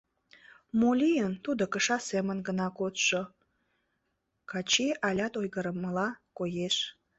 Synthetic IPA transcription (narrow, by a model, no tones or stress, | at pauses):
molʲijənt̪ud̪okəʃɑsemənɡənɑkot̪ʃo | kɑt͡ɕeʔɑlʲɑt̪ojɣəɾəmːəlɑkojeʃ